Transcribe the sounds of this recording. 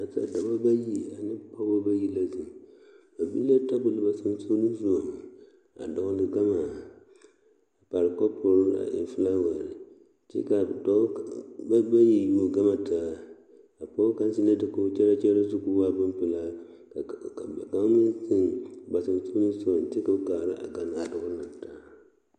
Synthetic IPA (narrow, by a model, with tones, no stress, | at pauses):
a˨sa̰˨da˨ba˦ba˦ji˦a˨nɨ˦pa˦bo˦ba˦ji˦la˦sɨ˨ | ba˨bi˦la˦ta˦bʊ˨lɨ˨ba˨sa˦n˦so˦ni˦zu˦a˨m˨ | a̰˨dɔ˨˦ŋ˦dɨ˨ɡa˦ma˨ | a˨pa˨ɾɨ˨kɔ˦pʰʊ˨ɾla̰˨ɪ̰˨fɨ˦la˦wa˨ɾɪ˨ | t͡ʃɛ̰˦ka˨dɔ˦bba˦ji˨mo˨ɡa˦ma˨taː˨˦ | a˨pɔ˦ka˦n˦si˦la˦dɨ˨ko˦t͡ʃɛ˦ɾa˦t͡ʃɛ˦ɾa˦su˦ku˦wa˦˨bɨ˦m˦pɨ˨la˦˨ | ɡa˦si˦ŋ˨ɡ͡ba˨sɨ˨ɾso˦i˦su˦o˨n˨ti˦ka˨ka˨ɾa̰˦ʔa̰˨ɡa˨na˨dʊ˨ɡʊ˦na˨ta˦